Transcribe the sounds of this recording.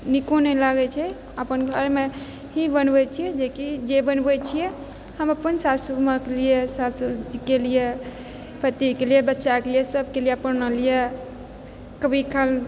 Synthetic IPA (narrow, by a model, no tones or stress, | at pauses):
nikonɛlaɡɛt͡ʃʰɛ | əpənɡʱəɾme | ɦibənbɛt͡ʃʰijɛd͡ʒekid͡ʒebənbɛt͡ʃʰijɛ | həməpənsasuməkelijesasud͡ʒkelije | pʰət̪ːikelijebətːʃakelijesəbʱkelijepənəlije | kəbikʰal